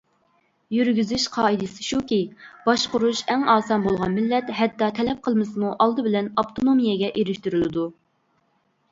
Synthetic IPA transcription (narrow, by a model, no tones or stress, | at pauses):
jyɾɡʲyzyʃqʰɑːid̪ɨsɪ̥ʃukʲib̥ɑʃqʊɾuʃɛŋɑːsɑnbolˠʁɑnmɪlːɛt̪ɦɛt̪ːɑt̪ʰɛlɛp̚qʰəlˠmɨsɨmuʔɑlˠd̪ɨbɪlɛnɑpt̪ʰonomijɛɡʲɛʔeɾɪʃt̪yɾylɪd̪u